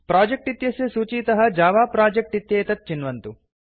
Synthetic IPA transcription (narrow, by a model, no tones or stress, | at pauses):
pɾaːd͡ʒek̚ʈit̪jɐsjɐsuːt͡ʃiːt̪ɐɦɐ̆d͡ʒaːʋaːpɾaːd͡ʒek̚ʈit̪jeːt̪ɐt̪̚t͡ʃinʋɐnt̪u